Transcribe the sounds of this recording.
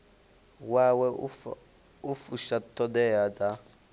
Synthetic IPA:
wawɛ | ufuʃatʰɔdɛad͡za

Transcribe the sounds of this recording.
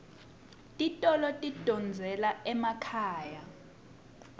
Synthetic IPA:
tʼitʼɔlɔtʼid̥ʱɔnd͡zʱɛlaɛmakʰaːja

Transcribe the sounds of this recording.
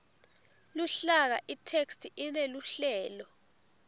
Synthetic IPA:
luɬak̬a̰ʔitʰekstʰiʔineluɬɛːlɔ

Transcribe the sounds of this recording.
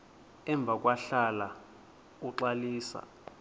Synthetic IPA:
ɛɱb̪vʱak̬ʼwaɬala | uǁaliːsa̰

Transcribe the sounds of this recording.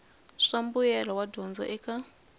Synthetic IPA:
ʂambujɛlawadɔnd͡za̰ʔɛkʰa

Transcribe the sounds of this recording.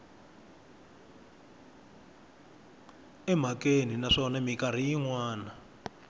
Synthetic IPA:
ɛm̤akeninaʂɔnamikar̤ijiŋwaːna

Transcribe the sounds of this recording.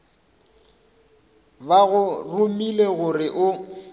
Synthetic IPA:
baɣʊrʊmileɣʊrɪʔʊ

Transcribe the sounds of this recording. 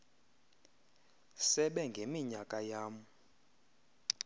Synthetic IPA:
sɛɓɛŋɡʱemiɲakʼajaːm̩

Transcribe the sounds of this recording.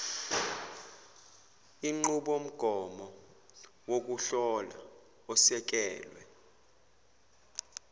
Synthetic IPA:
iŋ͡ǃuɓom̩ɡ̥ʱɔmɔ | wok̬ʼuɬɔla̰ | ɔsɛk̬ʼɛːlwɛ̰

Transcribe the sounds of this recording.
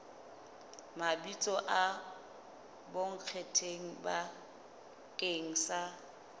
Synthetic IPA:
mabit͡sʼɔʔa | boŋ̩q͡χʰetʰeŋ̩ba | keŋ̩sa

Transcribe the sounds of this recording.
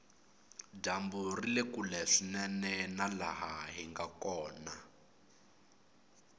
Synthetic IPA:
damburilekulɛʂinɛnɛnala̰ɦaɦiŋɡakɔːna

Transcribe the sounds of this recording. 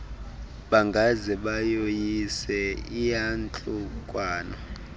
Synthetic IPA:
ɓaŋɡʱazɛɓajojisɛijant͡ɬʼukʼwaːnɔ

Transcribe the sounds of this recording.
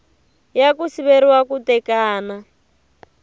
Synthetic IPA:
jakusiβeɾiwakutɛkaːna

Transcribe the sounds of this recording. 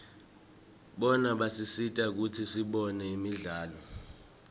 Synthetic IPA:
ɓɔnaɓasisitʼak̬utʰisiɓɔnɛimiɮaːlɔ

